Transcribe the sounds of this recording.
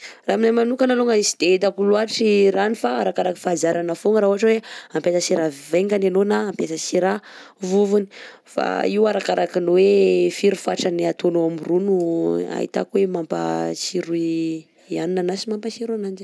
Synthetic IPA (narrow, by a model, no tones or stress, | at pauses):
raminajmanukənaloŋaisi̥d̪eet̪akuluaʈ͡ʂiɾanifaaɾakaɾaki̥fazaɾanafoŋəɾaɦuɦaʈ͡ʂaweampesasiɾaveŋɡananonaːmpesasiɾa | vuvuni̥ | fa̰iwaɾakaɾakinowefiɾufaʈ͡ʂaniat̪onoamirunua̰ɦḭt̪a̰kuwemampa̰siɾui | ianinanasimampasiɾuanand͡ʒi̥